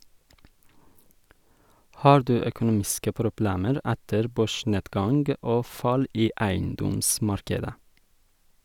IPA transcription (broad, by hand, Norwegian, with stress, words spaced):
ˈhɑːɾ ˈdʉː œkʊˈnuːmɪskə pɾʊˈbleːməɾ ˈɛtəɾ ˈbøːˌʃɳeːdɡɑŋɡ ˈoː ˈfɑl ˈiː ˈæɪnˌdɔmˌsmɑɾkədə